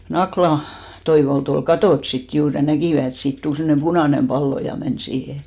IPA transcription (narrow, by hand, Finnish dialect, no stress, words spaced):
jɑ nɑklɑ toiʋolt ol kɑtoˑt sit juːr jɑ nækiˑʋæ et siːt tul semːŏnem b̥unɑˑnem pɑlːo jɑ men siːhe